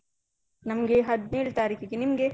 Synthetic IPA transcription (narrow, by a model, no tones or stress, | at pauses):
nɐmɐɡeɦɐd̪neːɭt̪aːɾiːkiɡenimɐɡe